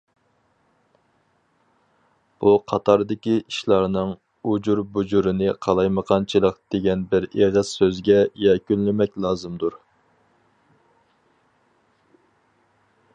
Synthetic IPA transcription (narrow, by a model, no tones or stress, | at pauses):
b̥uqʰɑt̪ʰɑɾd̪ɪkʲiʔiʃlˠɑɾnɨŋ | ud͡ʒuɾbud͡ʒuɾɨnɨqʰɑlˠɑjməqʰɑnt͡ʃʰilˠəqd̪̥eɡʲɛnbɪɾeʁəz̥søzɡʲɛjɛkʲynlɪmɛkʲlˠɑːzɨmd̪uɾ